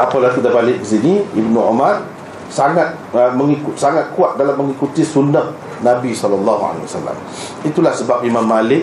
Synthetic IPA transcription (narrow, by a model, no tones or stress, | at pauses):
apalat̪ud̪abalɪʔ̚kəsiniibnuɔ̰mar | saŋat̪̚ | əməŋikʊt̪saŋat̪̚kuat̪̚dalamːə̃ŋikut̪isundəh̚ | nãbisɔlalːɑɦua̰lḛwa̰sa̰la̰m | it̪ulahsəbap̚imãmːalɪk̚